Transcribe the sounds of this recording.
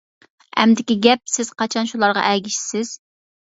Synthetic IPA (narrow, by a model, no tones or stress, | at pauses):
ɛ̰md̪ɪkʲiɡʲɛp̚sɪz̥qʰɑt͡ʃʰɑnʃulˠɑɾʁɑ̰ʔɛɡʲiʃsɪz̥